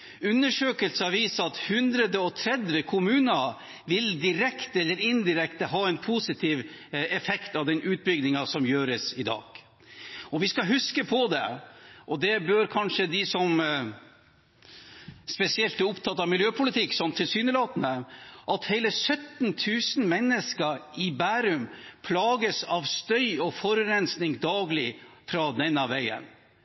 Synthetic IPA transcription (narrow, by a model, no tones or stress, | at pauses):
ʉnːəʂøːkəlsəɑʋiːsɑt̪hʉnd̪ɾəd̪əɔt̪ʰɾɛd̪ʋəkʰʊmʉːnɑ | ʋɪld̪ɪɾɛkt̪əɛlːəɾɪnd̪ɪɾɛkt̪əɦɑːɛnpʰuːsɪt̪ʰiːʋɛfɛkt̪ɑʋd̪ɛnʔʉːt̪̚bʏɡd̪ɪŋɑsɔmjøːɾəsɪd̪ɑ̰ːɡ̥ | ɔʋɪskɑɦʉskəpʰɔd̪ɛ̰ʔɔd̪ɛbøːɾkʰɑnʂəd̪ɪsɔm | spɛsɪɛlt̪bæɾʊpt̪ʰɑt̪ːɑʋmɪljøːpʰʊlɪt̪ʰɪkːsɔnt̪ʰːɪlsyːnəlɑːt̪ənəʔɑt̪hæɪləsœt̪nt̪ʰʉːsnmɛnːəskəɾɪbæːɾʉmpʰlɑːɡəsɑʋst̪œʏɔfɔɾɾɛnsnɪŋd̪ɑːɡlɪfɾɑd̪ɛnːəʋæɪə̰n